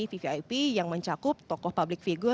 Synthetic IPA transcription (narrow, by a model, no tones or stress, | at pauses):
ififiajpijaŋməɲt͡ʃakʊp̚t̪ɔkɔhpablɪk̚fiɡʊ